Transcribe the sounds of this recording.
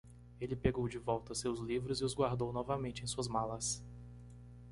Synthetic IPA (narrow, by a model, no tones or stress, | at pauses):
elɪpeɡowd͡ʒɪvɔwt̪ɐsewzlivɾʊzɪʊzɡwaɾd̪ownɔvɐmẽnt͡ʃɪẽsuɐzmalɐs